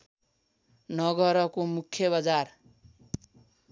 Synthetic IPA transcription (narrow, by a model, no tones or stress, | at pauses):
nʌɡʌɾʌkomukʰːjʌβad͡zar